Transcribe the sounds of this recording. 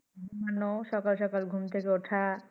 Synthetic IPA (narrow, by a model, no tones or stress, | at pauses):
umanoʃɔkalʃɔkalɡʱumt̪ʰekeoʈʰa